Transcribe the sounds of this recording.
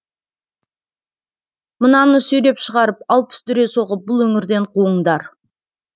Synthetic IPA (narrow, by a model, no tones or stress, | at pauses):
mənɑnəsɵjɾe̞pʃəʁɑɾəp̚ɑlˠpə̥st̪ʰʏɾe̞so̞ʁəp̚bʊlˠwɵŋɪɾd̪e̞ɴqʰuəɴd̪ɑɾ